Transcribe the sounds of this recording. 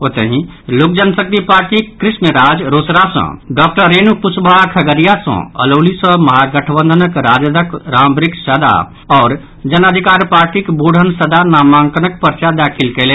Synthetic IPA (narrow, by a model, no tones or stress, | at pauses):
oːt̪eɦĩlʊk̚d͡ʒənsək̚t̪ipaːɾʈikɾɪsnəɾaːd͡ʒɾoːsɾasə̰̃ɖɔːk̚ʈəɾeːnupʊt͡ʃbʱakʰɐɡəɾijasə̰̃ɐ̰loːlisəmɐɦaɡəʈʰəbə̃nd̪ʱənəkɾaːd͡ʒd̪ʱəkɾãːmbɾɪksəd̪a̰ | ɔːɾ | d͡ʒɐnad̪ʱikaːɾpaːɾʈikboːɽʱənsəd̪anaːmãːŋkənək̚pəɾt͡ʃad̪aːkʰɪlkele